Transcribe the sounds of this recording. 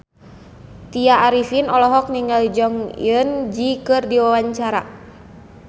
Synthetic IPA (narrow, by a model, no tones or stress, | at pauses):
t̪iaːɾifinɔlɔɦɔk̚niŋɡalid͡ʒɔŋj̰ənd͡ʒikɨrdiwawaɲt͡ʃaɾa̰